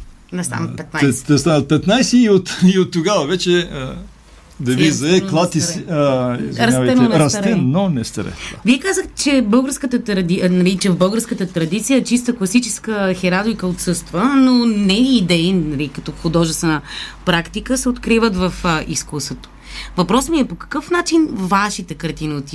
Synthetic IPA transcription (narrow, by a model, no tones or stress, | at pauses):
nɐst̪a̰npɛt̪̚naɛt̪ːɛst̪anət̪̚pɛt̪najsɛːot̪iot̪ːʊɡavɐvɛt͡ʃɛə | d̪ɐvizɐɛklˠat̪is | zɾɐsavj̪ɛɛnɾɐsɾɛnonɛst̪ɾɛ̰viɛkazəxt̪ɛ̥t͡ʃɛbɤlˠɡəɾskət̪ət̪ɾɐd̪inɐlit͡ʃɛvbɤlˠɡəɾskət̪ət̪ɾɐd̪it̪sijət͡ʃis̬t̪əklˠɐsit͡ʃɛskəxɛɾad̪ikəot̪sɤst̪vənonɛːd̪ɛinnɐlikɐt̪ɔxod̪ɔʒɛst̪vɛnəpɾakt̪ikəsɛot̪kɾivət̪vɐfəʔiskusət̪o̥ | vɐpɾɔsmiɛpokɐ̥kəfnat͡ʃinvaʃit̪ɛkɐɾt̪inot̪i